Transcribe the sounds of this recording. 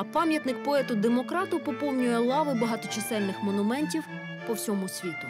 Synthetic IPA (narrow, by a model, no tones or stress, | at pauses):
ɐpɑmʲjɐt̪nɪk̚pɔɛt̪ʊd̪emɔkɾɑt̪ʊpɔpɔwnʲʊjɛlˠɑʋɪbɐɦɑt̪ɔt͡ʃɪsɛlʲnɪxmɔnʊmɛnʲtʲiw | pɔwsʲɔmʊsʲʋʲit̪ʊ